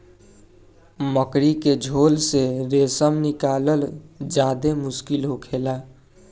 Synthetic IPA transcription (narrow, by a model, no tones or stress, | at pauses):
məkɾiked͡ʒʱolseɾesəmnikaləld͡ʒad̪emʊskilɦokʰela